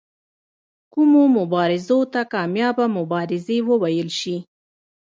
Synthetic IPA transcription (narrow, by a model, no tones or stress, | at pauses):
kumomʊbɑɾɪzot̪akɑmjɑbamʊbɑɾɪzewəwajəlʃi